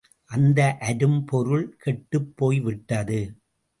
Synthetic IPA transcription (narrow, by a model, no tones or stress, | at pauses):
ʔɐnd̪ɐʔɐɾɯmpɔɾɯɭkʰɛʈːɯpːoːjʋɪʈːɐðɯ